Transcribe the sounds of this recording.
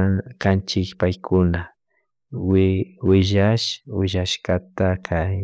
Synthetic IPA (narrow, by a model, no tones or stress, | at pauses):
kant͡ʃɪkpajkʰʊna | wɪwɪʒaʃwɪʒaʃkat̪akʰaj